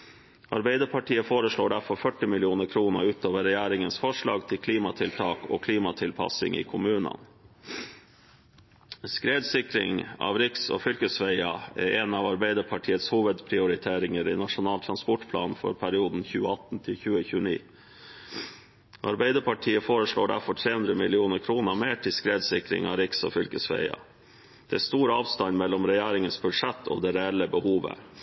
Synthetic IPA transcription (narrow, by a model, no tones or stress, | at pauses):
ʔɑ̰ɾbæɪd̪əɾpʰɑʈʰiːəfoːɾəʂɭoːɖæɾfɔɾfœʈɪmɪlɪuːnəkʰɾuːnə̰ʉːt̪oːʋəɾɛjæːɾɪŋənsfɔʂɭɑ̰ːɡt̪ʰɪlkʰliːmɑt̪ʰɪlt̪ʰɑːko̰ːkʰliːmɑt̪ʰɪlpʰɑ̰sɪ̰ŋʔḭːkʰʊmʉːnə̰n | skɾeːd̪sɪkɾɪŋɑ̰ːʋɾɪkso̰ːfʏlkəsʋeɪɑɛ̰ɾɛnɑʋɑɾbæɪd̪əɾpʰɑʈʰiːət̪shuːʋəd̪pʰɾɪʊɾɪt̪ʰeːɾɪŋəɾɪ̰nɑʂʊnɑːlt̪ʰɾɑnspɔʈpʰlɑ̰ːnfɔ̰ɾpʰæɾɪuːd̪n̩çʉːəɑt̪n̩t̪ʰɪlçʉːəçʉːənḭː | ʔɑ̰ɾbæɪd̪əɾpʰɑʈʰiːəfoːɾəʂɭoːɖæɾfɔʈ̪ʰɾeːʉnd̪ɾəmɪlɪuːnəɾkʰɾuːnəmeːʈʰɪskɾeːd̪sɪkɾɪ̰ŋɑ̰ːɾɪksɔ̰ːfʏlkəsʋæ̰ɪɑ̰ | d̪̥ɛæst̪uːɾəɑːʋst̪ɑnmɛlːɔmɾɛjeːɾɪŋənsbʉd̪ʂɛt̪ʰːɔ̰d̪ɛɾɛɛlːəbəhuːʋə̰